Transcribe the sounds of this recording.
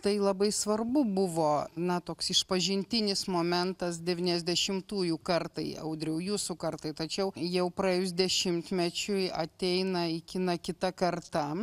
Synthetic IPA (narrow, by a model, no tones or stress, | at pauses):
t̪ɐɪlˠɐbɐɪsʋɐrbʊbʊʋoːnɐt̪oːksɪʃpɐʒʲɪnʲt̪ʲɪnʲɪsmoːmʲɛnt̪ɐs̬d̪ʲɛʋʲiːnʲɛzʲd̪ʲɛʃʲɪmt̪uːjukɐrt̪ɐɪɐ̰ʊd̪ʲɾʲɛʊjuːsʊkɐrt̪ɐɪt̪ɐt͡ʃʲɛʊjɛʊpɾɐeːjʊs̬d̪ʲɛʃʲɪmʲt̪ʲmʲɛt͡ʃʲʊɐt̪ʲɛɪnɐɪkʲɪnɐkʲɪt̪ɐkɐrt̪ɐ